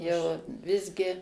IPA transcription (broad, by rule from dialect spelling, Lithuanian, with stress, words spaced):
jɛʊ ˈʋʲɪzʲɡʲɪ